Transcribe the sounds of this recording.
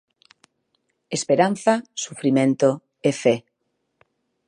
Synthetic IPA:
espeɾan̟θasufɾimẽnt̪o | efe

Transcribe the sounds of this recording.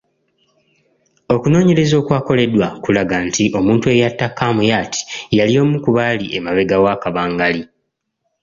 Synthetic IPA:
o̞kuno̞ːɲe̞ɾe̞zo̞ːkwaːko̞le̞dwakulaɡantiʔo̞muːntue̞jatːakːaːmujaːtʰi̥jalio̞ːmukuβaːliʔḛmaβe̞ɡawaːkaβaːŋɡali

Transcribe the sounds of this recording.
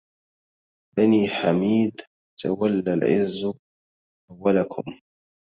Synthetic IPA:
baniːħamiːd̪ | t̪ʰawalːalʕɪzː | ʔawːalakʰʊm

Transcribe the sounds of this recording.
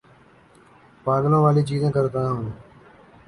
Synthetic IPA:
paːɡlãːʋaːliːt͡ʃiːzẽːkəɾt̪ãːɦʊne

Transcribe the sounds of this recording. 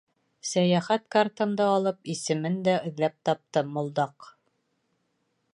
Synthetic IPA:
sæjæχæt̪kart̪ɤ̆nd̪ɤɑlˠɤpisɘ̆mɘnd̪æɘ̆ðlæp̚t̪ɑp̚t̪ɤmŏlˠd̪ɑq

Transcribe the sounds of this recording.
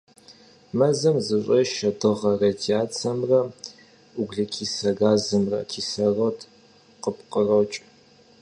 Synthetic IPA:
mɐzɐmzɨɕʷʼɐʃɐdɨʁɐrɐdiaːt͡sʰɐmrɐ | uɡʷɮɐkʰiːsɐɡaːzɨmrɐ̰kʰiːsɐrotʰ | qəpqərɐwt͡ʃʼ

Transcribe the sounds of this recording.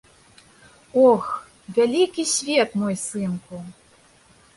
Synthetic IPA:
ɔx | vʲalʲikʲisʲvʲɛt̪mɔjsɨnku

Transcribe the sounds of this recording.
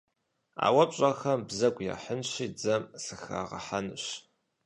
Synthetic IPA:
a̰ːwɐpʼɕʼɐxɐmbzɐɡʷja̰ːħənɕiːd͡zɐmsɨxa̰ːʁɐ̰ħanɨɕ

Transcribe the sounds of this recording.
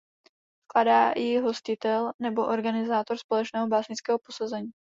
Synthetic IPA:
fkladaːjɪɦo̞scɪt̪ɛlnɛbo̞ʔo̞ɾɡanɪzaːt̪o̞ɾspo̞lɛt͡ʃnɛːɦobaːsɲɪt͡skɛːɦopo̞sazɛɲiː

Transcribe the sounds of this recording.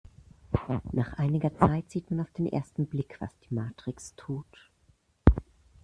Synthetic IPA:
naːχʔaɪnɪɡɐt͡saɪtz̥iːtmanaʊfd̥eːnʔḛːɐstn̩blɪkv̥a̰sd̥iːmaːtʁ̥ɪkstʰuːt

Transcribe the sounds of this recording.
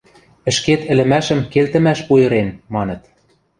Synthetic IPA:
ɘ̆ʃket̪ɘ̆lɘ̆mæʃə̆mkelt̪ə̆mæʃpujɤ̆ɾemːɑnɤ̆t̪

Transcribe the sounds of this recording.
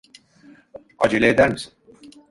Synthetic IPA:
a̰d͡ʒelʲeed̪æɾmisi̥n

